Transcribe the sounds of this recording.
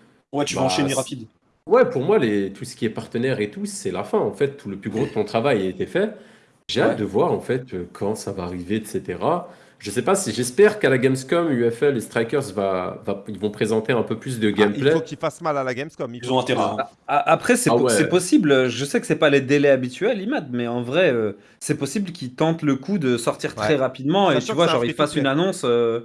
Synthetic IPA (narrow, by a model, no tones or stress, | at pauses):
wɛt̪yvãɛnʁapid̪ | wɛpuʁmwalet̪usə̥kʲiɛpaʁt̪ənɛʁet̪usɛlafɛ̃ɑ̃fɛt̪ːuləplyɡʁod̪ət̪ɔ̃t̪χavajaet̪efɛ | ʒeat̪d̪əvwaʁɑ̃fɛt̪økʰɑ̃savaːʁiveɛt̪set̪eʁa | ʒəsɛpasiʒɛspɛʁkalaɡʲɛmskɔmyɛfɛlest̪χajkʲœʁzvavailvɔ̃pχezɑ̃t̪eɛ̃pøplys̬d̪əɡɛmplɛokifasmalalaɡɛmskɔmzɔ̃t̪ | aʔapχɛsɛwɛsɛpɔsibløʒəsɛkə̥sɛpaled̪elɛabit̪ɥɛlimad̪̚mɛɑ̃vʁɛø | sɛpɔsiblkʲʰilt̪ɑ̃t̪ləkud̪əsɔʁt̪iʁt̪χɛʁapid̪mɑ̃et̪yvwaʒɑ̃ʁifasynanɔ̃sø